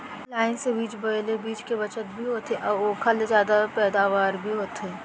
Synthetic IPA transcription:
laːɪnsẽbiːt͡ʃbɐɽlebiːt͡ʃkebɐt͡ʃət̪̚bʱiɦoːt̪eʔɔokʰɐlzjaːd̪apɛːd̪aːʋaːɾbʱiɦoːt̪ɦeː

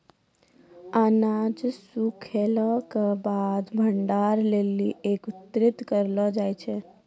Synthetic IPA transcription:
anad͡ʒsukʰelɔkebad̪bʱəɳɖaɾleliekut̪ɾit̪kəɾlɔd͡ʒajt͡ʃʰɛ

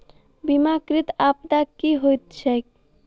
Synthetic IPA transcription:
bimakɾit̪apd̪akiɦojt̪̚t͡ʃʰɛk

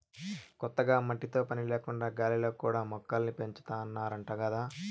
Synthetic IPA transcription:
kɔt̪ːɐɡaːmɐʈːit̪o̞ːpɐnileːkuɳɖaːɡaːliloːkuːɽaːmɔkːalnipe̞ɲt͡ʃu̥t̪aːnːaːɾɐɳʈaːkɐd̪aː

